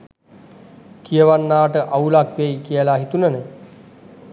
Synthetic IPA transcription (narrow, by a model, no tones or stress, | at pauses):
kijəʋanːaːʈəʔaulakʋejkijəlaɦit̪unənə